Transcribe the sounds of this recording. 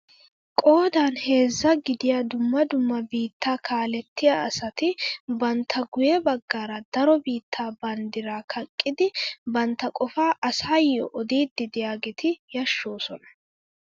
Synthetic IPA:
kʼo̞ːd̪aːnhe̞ːzːɐɡɪd̪ɪjaːd̪ʊmːɐd̪ʊmːɐbiːt̪ʰːaːkʰaːlɛt̪ːɪjaɐsɐt̪ɪbɐnt̪ʰːɐɡʊjɛbɐɡːaːɾɐd̪ɐɾɔbiːt̪ːaːbɐnd̪ɪɾaːkʰɐkʼːɪd̪ɪbɐnt̪ːɐkʼɔfaːʔɐsaːjːɔ̰ʔɔd̪iːd̪ːɪd̪ɪjaːɡɛt̪ʰɪjɐʃːoːsɔnɐ̥

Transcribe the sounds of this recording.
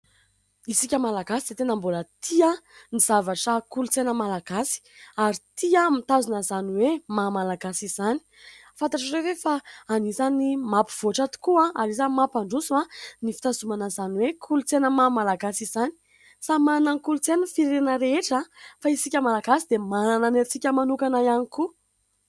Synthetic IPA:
isikʲəmalaɡasid̥̪et̪enəmbulət̪ʰianiz̥avaʈ͡ʂəkulut͡senəmalaɡ̥asi̥aɾit̪iamit̪azunəzaniwemamalaɡasiz̥ani̥ | fant̪aʈ͡ʂarevefaːnizanimapiv̥oʈ͡ʂat̪u̥kuãaɾizamapaɳɖ͡ʐusuanifi̥t̪azumanazaniwekʰulut͡senəmamalaɡasiz̥ani̥ | samananikulut͡senəfiɾenəɾeeʈ͡ʂafaisikʲəmalaɡasid̪emanananet͡sikʲəmanukanaianiku

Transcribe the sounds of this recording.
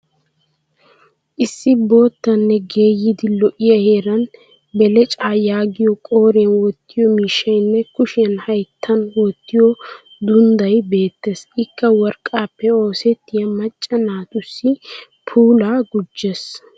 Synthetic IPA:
ʔɪsːɪbo̞ːt̪ːɐnːɛɡe̞ːjːɪd̪ɪlɔʔɪjɐhe̞ːɾɐn | bɛlɛt͡ʃʼaːjaːɡɪjɔkʼo̞ːɾenwɔt̪ːɪjɔmiːʃːɐjnːɛkʊʃɪjɐnhɐjt̪ʰːɐnwɔt̪ːɪjɔ | d̪ʊnd̪ɐjbe̞ːt̪ːeːsʔɪkːɐwɔɾkʼːaːpːɛo̞ːsɛt̪ːɪjɐmɐt͡ʃʼːɐnaːt̪ʼʊsːɪ | pʰuːlaːɡʊd͡ʒːes

